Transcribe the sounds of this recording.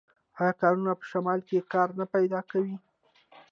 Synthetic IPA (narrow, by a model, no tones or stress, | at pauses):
ajɑkɑɾunapə̥ʃamɑlkekɑɾnapajd̪ɑkawi